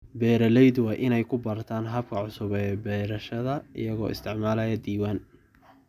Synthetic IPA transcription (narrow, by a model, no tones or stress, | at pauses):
bɛːɾɐlɛjd̪wɑːʔɪnɛjkʰʊbɐrt̪ʰaːnɦɐb̚kʰɐʕʊsʊβɛbɛːɾɐʃɐðɐɪ̰jɐɣɔ̰ːʔɪ̰st̪ʰɪʕmaːlɐjɐd̪iːwaːn